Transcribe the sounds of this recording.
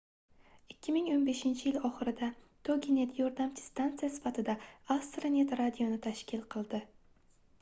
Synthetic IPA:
ɪkʲʰːɪmɪŋonbe̞ʃɪnt͡ʃʰɪjɪlɒχɨɾɪd̪a | t̪ʰoɡʲine̞t̪jɒɾd̪amt͡ʃʰɪ̥st̪ant̪sijasɪ̥fat̪ʰɪd̪aast̪ɾanʲe̞t̪ɾad̪ijonɪt̪ʰaʃkʲʰɪlˠqʰɨlˠd̪ɪ

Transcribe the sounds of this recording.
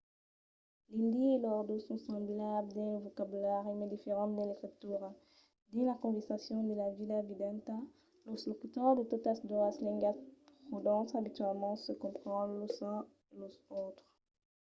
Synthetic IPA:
lĩnd̪ielɔʁd̪usɔ̃sɑ̃blabld̪ɛ̃lvokabylɛʁemed̪ifeʁɑ̃d̪ɛ̃let̪χit̪uʁ | d̪ĩlakɔ̃vɛʁsasjɔ̃d̪əlavilavid̪ɛ̃nt̪a | loslɔkyt̪ɔʁd̪ət̪ot̪asd̪ɔaslɛ̃ŋɡaspχud̪ɑ̃sabit̪ɥɛlmɑ̃səkɔ̃pχɑ̃lozɛ̃ | elozot̪χ

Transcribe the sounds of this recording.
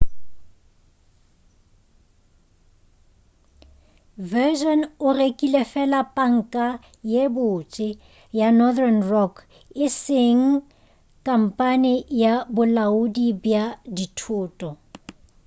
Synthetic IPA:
vɛʒɔnʊrekʼilefɛlapʼaŋ̩kʼa | jebʊt͡ʃʼɪ | janɔdrɛnrɔkʰ | ɪsɪŋ̩ | kʼam̩pʼanɪjabʊlaʊdibjaditʰʊːtʼɔ

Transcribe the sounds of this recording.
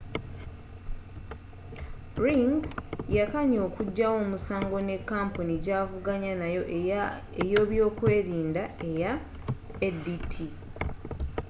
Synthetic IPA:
ɾiŋɡjakaɲo̞ːkuɟːawo̞ːmusaːŋɡo̞ne̞kːaːmponiɟaːvuɡaɲanajo̞ | ejo̞ːβjo̞ːkwe̞ːɾiːndae̞ja | edːitʰi

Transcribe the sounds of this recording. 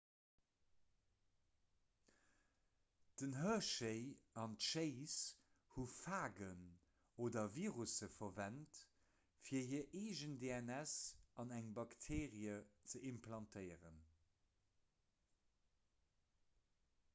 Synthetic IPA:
d̥ənɦœɐʃeɪɑntʃeɪs | hufaːɡən | oːdɐviːʁusəfɐvænt | fiːɐhiɐʔeːʒəndeɛnæsɑnæŋbɑktʰeːʁiət͡səʔimpʰlɑntʰəɪʁən

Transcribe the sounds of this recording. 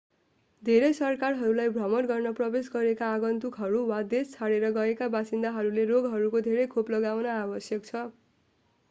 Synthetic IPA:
d̪ʱeɾejsʌrkarɦʌɾulajbʱrʌmʌnɡʌrnʌprʌbesɡʌɾekaːɡʌnt̪ukɦʌɾuwad̪est͡sʰaɽeɾʌɡʌekabasind̪aɦʌɾuleɾoɡɦʌɾukod̪ʱeɾʌjkʰoplʌɡawnʌabʌsjʌk̚t͡sʰʌ

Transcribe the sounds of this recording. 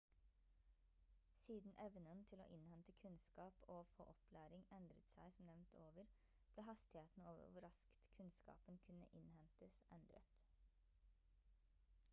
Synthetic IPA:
siːd̪n̩ʔɛʋnənt̪ʰɪlo̰ːʔɪnhɛnt̪əkʰʉnskɑːpʰoːfo̰ːʔɔpʰlæːɾɪŋɛnd̪ɾət̪sæ̰ɪsɔmnɛʋnt̪ʰoːʋəɾ | b̥leːɦɑst̪ɪheːt̪n̩oːʋə̰ɾʋʊɾɑskt̪kʰʉnskɑ̰ːpənkʰʉnə̰ʔɪnhɛnt̪əsʔɛnd̪ɾə̰t̪

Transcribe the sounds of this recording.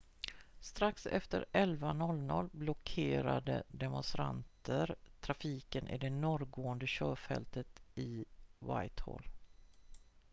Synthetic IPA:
st̪ɾaksɛ̰ft̪əɾɛlvanɔlːnɔlːblɔkʰeːɾad̪əd̪ɛmʊnst̪ɾant̪ʰəɾt̪ʰɾafiːkənʔɪɖ̪ɛnɔɾɡoːənd̪əɕœːfɛ̰lt̪ət̪ɪva̰jt̪ho̰l

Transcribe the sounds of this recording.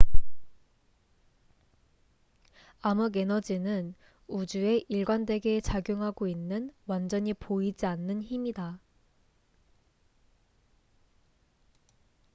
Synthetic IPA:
amuɡe̞nʌd͡ʑinɯn | ud͡ʑue̞ʔiɭɡwandwe̞ɡe̞t͡ɕaɡjoŋɦaɡoinːɯnwand͡ʑʌɲipoid͡ʑianːɯnçimida

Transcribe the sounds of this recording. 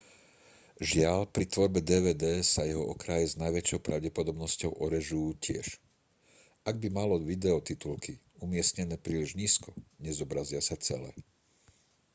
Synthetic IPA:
ʒɪaʎpɾit̪ʋɔɾbɛd̪ɛːʋɛːd̪ɛːsajɛɦɔʔɔkɾajɛznajʋɛt͡ʃɔʊpɾa̰ʊɟɛpɔd̪ɔbnɔscɔʊʔɔɾɛʒujuːcɪɛ̰ʃ | aɡ̚bimalɔʋid̪ɛɔt̪it̪ulkʰi | umɪɛsɲɛnɛːpɾiːliʒɲiːskɔɲɛzɔbɾazɪasat͡sɛ̰lɛ̰ː

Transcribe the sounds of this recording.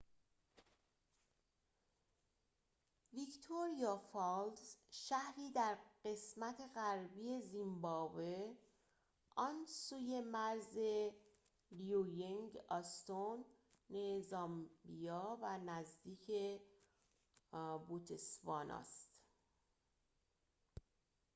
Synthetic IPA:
vikt̪ʰoɾijɒfɑld̪zʃæhɾiːd̪æɾɢe̞smæt̪ʰe̞ɣæɾbiːe̞zimbɒːbe | ʔɒnsuːje̞mæɾze | lijujeŋɡɒst̪onː | ezɒːmbijɒːvænæzd̪iːcʰe | but̪ʰesvɒːnʔɒ̰ːst̪

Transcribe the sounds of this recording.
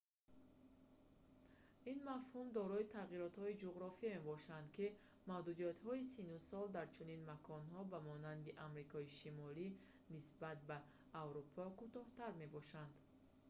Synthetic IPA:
inmafhumd̪ɔɾɔit̪ʰaʁiɾɔt̪hɔid͡ʒuʁɾɔfiame̞bɔʃand̪ki | mavd̪ud̪ijat̪hɔisinusɔld̪aɾt͡ʃʰuninmakʰɔnɦɔbamɔnand̪iʔamɾikʰɔiʃimɔli | nisbat̪̚baː | vɾupʰɔkut̪ɔht̪aɾme̞bɔʃand̪

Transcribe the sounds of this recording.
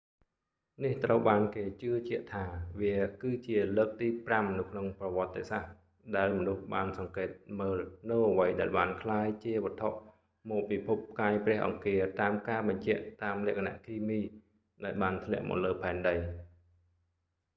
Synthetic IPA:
niht̪rəwɓaːnkeːt͡ɕɨət͡ɕĭəʔt̪ʰaːʋiəkɨːt͡ɕiələːk̚t̪iːpramnɨwkʰnoŋprɑʋŏət̪ːeːsah | ɗaɛlmɔnuhɓaːnsɑŋkeːt̪̚məːlnɨwʔəʋəjɗaɛlɓaːnkʰlaːjt͡ɕiəʋə̆ət̪ʰoʔ | mɔːpːiːpʰup̚ːkaːjprɛ̆əhʔɑ̰ŋkiət̪aːmkaːɓɑɲt͡ɕɛ̆əʔt̪aːmlɛ̆əʔkʰana̰ʔk̪ʰiːmiː | ɗaɛlɓaːnt̪ʰlɛ̆əʔmɔ̰ːləːpʰaɛnɗəj

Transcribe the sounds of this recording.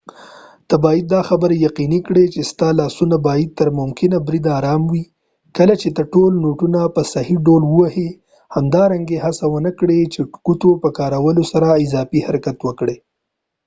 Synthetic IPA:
t̪əbɑjid̪̚ːɑxabəɾejaqinikɽet͡ʃest̪ɑlɑsunabɑjɪd̪̚t̪əɾmʊmkɪnabɾid̪ɑɾɑmwi | kəlat͡ʃet̪əʈolnoʈunapəsahiɖolwəwahi | hamd̪ɑɾaŋɡehasawənəkɽet͡ʃeʈkut̪opəkɑɾawəlosaɾaɪzɑfihaɾakat̪wəkɽe

